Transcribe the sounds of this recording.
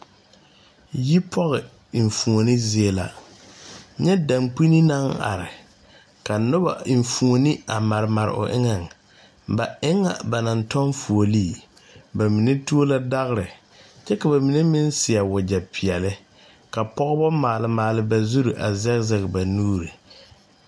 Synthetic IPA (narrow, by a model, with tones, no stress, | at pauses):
ji˦pʰɔ˦ɣɪ˨ | i˨ɱ˨fu˨o˨nɪ˦zi˦e˦la̰˨ | ɲɛ˦da˨mk͡pi˦ni˦na˦ŋa̰˨ɾɪ˨ | ka˨nʊ˦ba̰˨ɱ˨fu˨ŋo˨nɪ˦a˨ma˨ɾɪ˨ma˨ɾɪ̰˨ʔʊ̰˨ʔɪ˦ŋa˦˨ŋ | ba˨ɪ˦ŋa̰˨ba˨na˨ntɔ˦nfu˨o˨liː˦˨ | ba˨mi˨ne˦tu˦o˦la˦da˦ɣɪ˦ɾɪ˨ | t͡ʃɛ˦ka˨ba˨mi˨ne˦mɪ˦nsɪ˨a˨wʊ˨d͡ʒa˨pʰi˨ɛ˨lɪ˦ | ka˨pɔ˦ɣbɔ˦maː˨lɪ˨maː˨lɪ˦ba˨zu˦ɾu˨ʔa̰˨zɛ˦ɣzɛ˨ɣɪ˨ba˨nuː˦ɾi˨